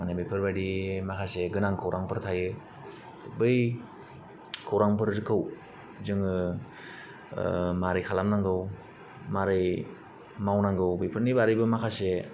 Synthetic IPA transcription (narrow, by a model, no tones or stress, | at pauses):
manabɯjpʰɯɾbadimakʰaseɡɯnaŋkʰowɾʔaŋpʰɯɾtʰajɯ | tɯbɯj | kʰowɾaŋpʰɯɾzɯkʰɯw | zɯŋɯ | maɾɯjkʰalamnaŋɡɯw | maɾɯj | mawnaŋɡɯwbijpʰɯɾnibaɾijbɯmakʰase